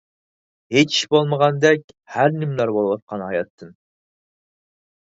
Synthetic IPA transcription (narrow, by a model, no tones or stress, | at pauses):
het͡ʃʰi̥ʃbolˠməʁɑnd̪ɛkʲ | hæɾnɪmlˠɑɾbolˠwɑt̪̚qʰɑnɦɑjɑt̪ʰːɨn